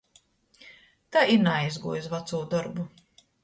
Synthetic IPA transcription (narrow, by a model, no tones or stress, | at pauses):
t̪aiɾnajzɡuːjsvat̪suːd̪ɔɾbu